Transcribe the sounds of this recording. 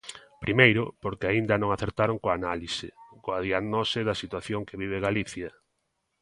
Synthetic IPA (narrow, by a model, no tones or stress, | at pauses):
pɾʔimejɾʊpoɾkɪaind̪ɐnõŋaθeɾt̪aɾoŋkoanalisɪkoaðiaɣnɔsɪðɐsit̪waθjoŋkeβiβ̞ɪɣaliθjɐ